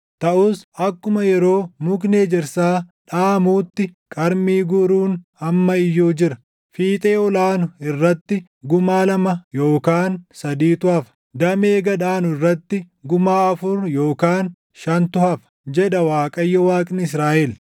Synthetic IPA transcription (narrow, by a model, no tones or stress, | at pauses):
t̪ɐʔʊsɐkːʊmɐjɛɾo̞ːmʊkʼneːd͡ʒɪɾsaːᶑaːmuːt̪ːɪkʼɐɾmiːɡʊɾuːnɐmːɐɪjːoːd͡ʒɪɾɐ | fiːt̪ʼe̞ːɔlaːnʊɪrːɐt̪ːɪ | ɡʊmaːlɐmɐjo̞ːkaːnsɐd̪iːt̪ʊɐfɐ̥ | d̪ɐme̞ːɡɐᶑaːnʊɪrːɐt̪ːɪ | ɡʊmaːɐfʊɾjo̞ːkaːn | ʃɐnt̪ʊhɐf | d͡ʒɛᶑɐwaːkʼɐjːɐwaːkʼnɪs̬ɾaːʔɛl